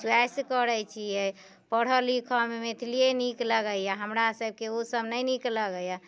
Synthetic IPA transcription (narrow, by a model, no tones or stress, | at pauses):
swɛskəɾəjt͡ʃʰiɛ | pəɽ̤əlikʰəmemet̪ʰilijenikləɡəjaɦəmɾasəb̚keosəbnəjnikləɡəja